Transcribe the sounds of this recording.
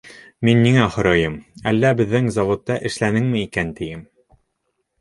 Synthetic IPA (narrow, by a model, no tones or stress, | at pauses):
minːiŋæhŏɾɑjɤmælːæbɘ̆ðːɘŋzɑvot̪ːɑʔɘ̆ʃlænɘŋmɘikænt̪ɘ̆jɘm